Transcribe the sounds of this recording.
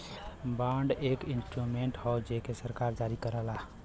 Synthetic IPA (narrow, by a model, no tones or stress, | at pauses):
bãɳɖeːkinsʈɾumeɳʈɦɔd͡ʒekesəɾkaːɾd͡ʒaɾikəɾəla